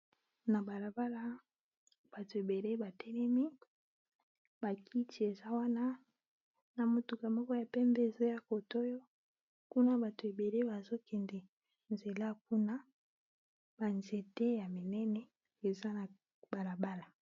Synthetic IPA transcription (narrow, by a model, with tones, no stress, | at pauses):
na˨ba˨la˨ba˦la˦ | b̥a˨to˨e˨be˨le˦ba˨tɛ˦lɛ˦mi˦ | ba˨kʰi˦ti˨e˨za˦wa˦na˦ | na˨mo˨tu˨ka˨mɔ˦kɔ˦ja˨pɛ˦mbe˦e˨zo˦ja˦ko˨to˦jo˦ | ku˦na˦ba˨to˨e˨be˨le˦ba˨zo˦kɛ˨ndɛ˨ | nze˨la˦k̚u˦na˦ | ba˨nze˨tɛ˦ja˨mi˨nɛ˦nɛ˦ | e˨za˦na˨ | b̥a˨la˨ba˦la˨